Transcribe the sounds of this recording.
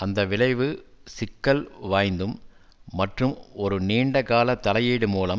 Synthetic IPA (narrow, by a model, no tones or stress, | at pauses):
ɐnd̪ɐʋɪɭɐɪʋɯsɪkːɐlʋaːjnd̪ɯmː | ɐʈrɯmɔɾɯniːɳɖɐkaːlɐt̪ːɐlɐjeːɽɯmuːlɐm